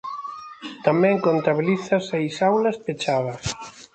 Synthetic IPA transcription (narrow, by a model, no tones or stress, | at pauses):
t̪amɛ̃ŋkont̪aβiliθɐsejsawlɐspet͡ʃaðɐs